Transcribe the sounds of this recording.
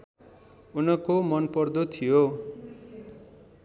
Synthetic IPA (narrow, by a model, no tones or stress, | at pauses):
unʌkomʌnpʌrd̪ot̪ʰijo